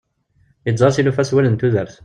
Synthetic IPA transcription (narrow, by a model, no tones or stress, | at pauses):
izˤɑɾˤsilufæswælənt̪uðəɾθ